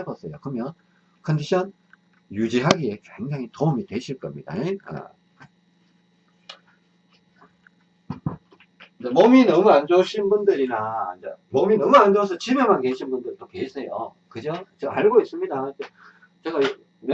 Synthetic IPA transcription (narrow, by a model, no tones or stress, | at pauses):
abʌs͈ʌjokɯɾʌmjʌn | kʰʌndiɕʰʌn | jud͡ʑiɦaɡie̞kweŋd͡ʑaŋitoumitwe̞ɕʰiɭk͈ʌmɲid̥a̰ea̰ | d͡ʑemʌminʌmuand͡ʑoɕʰinbundɯɾinaid͡ʑemʌminʌmuand͡ʑos̬ʰʌt͡ɕimemanke̞ɕʰinbundɯɭtokesʰe̞jo̰ | kɯd͡ʑʌt͡ɕeɡaaɭɡois͈ɯmɲidaid͡ʑe | t͡ɕeɡa | mj